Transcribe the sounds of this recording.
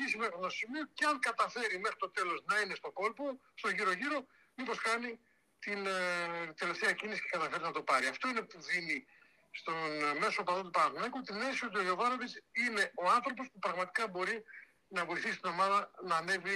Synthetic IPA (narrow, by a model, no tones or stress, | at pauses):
isimexɾnoosimioceɐŋkɐt̪ɐfe̞ɾime̞xɾi̥t̪o̞t̪e̞lo̞znɐine̞st̪o̞ko̞lpo | st̪o̞ʝiɾo̞ʝiɾo̞ | mipo̞skɐni | t̪in | t̪e̞le̞ft̪e̞ɐcinisi̥ce̞kɐt̪ɐfe̞ɾiznɐt̪o̞pɐɾiɐft̪o̞ine̞puðini | st̪onme̞soːpɐðot̪upɐɾɐɣnɐkut̪ine̞sio̞t̪ioʝo̞vɐɾoðisine̞o̞ɐnθɾo̞p̬o̞spupɾɐɣmɐt̪i̥kɐbo̞ɾi | nɐvo̞iθisi̥st̪ino̞mɐðɐnɐːne̞vi